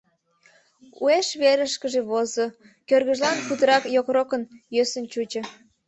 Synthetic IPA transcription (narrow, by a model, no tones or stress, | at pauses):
ueʃβeɾəʃkəʒeβozo | kørɣəʒlɑnkut̪əɾɑkjokɾokənjøsənt͡ɕut͡ɕə̆